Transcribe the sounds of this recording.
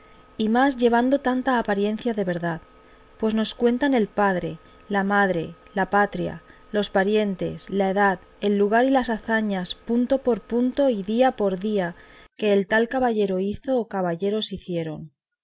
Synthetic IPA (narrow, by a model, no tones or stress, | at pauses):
imazʝe̞β̞and̪o̞t̪ant̪aːpaɾje̞nθjaðe̞β̞e̞ɾðað | pwe̞zno̞skwe̞nt̪ane̞lpaðɾe̞ | lamaðɾe̞ | lapat̪ɾja̰ | lo̞spaɾje̞nt̪e̞̰slae̞ðað | e̞lːuɣ̞aɾilasaθaɲaspunt̪o̞po̞ɾpunt̪o̞iðiapo̞ɾðiake̞ːlt̪alkaβaʝe̞ɾo̞iθo̞ːkaβaʝe̞ɾo̞siθje̞ɾo̞n